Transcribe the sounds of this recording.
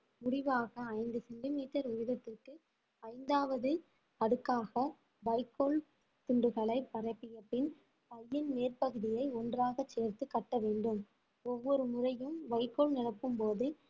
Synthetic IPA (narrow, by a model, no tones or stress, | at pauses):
mʊɽɪʋaːɣɐːɪnd̪ɯsɛɳɖɪmiːʈːɐɾʊʋɪðɐt̪ːɪrkɯ | ɐɪnd̪aːʋɐðɯ | ɐɽɯkːaːɣɐ | ʋɐɪkːol | t̪ʊɳɖɯɣɐɭɐɪpːɐɾɐɪpːɪjɐpːɪn | pɐjːɪnmeːrpɐɣɯðɪjɐɪɔndraːɣɐt͡ʃːeːɾt̪ɯkːɐʈːɐʋeːɳɖɯm | ɔʋːɔɾɯmʊrɐjɯmʋɐɪkːɔlnɪɽɐpːɯmpoːðɯ